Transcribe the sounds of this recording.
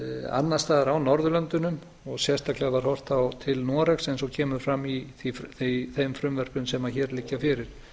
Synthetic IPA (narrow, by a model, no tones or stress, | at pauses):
a̰nːḁst̪aːðɾawnɔɾðʏlœnt̪ʏnʏm | ɔɣsjɛst̪aklɛɣavaɾ̥hɔr̥t̪awt̪ʰɪlnɔɾɛxsɛnsɔcʰɛːmʏɾfɾamːiθiθeθejmfɾʏmvɛr̥pʏnsɛmaçɛːɾlɪcːafɪɾɪɾ̥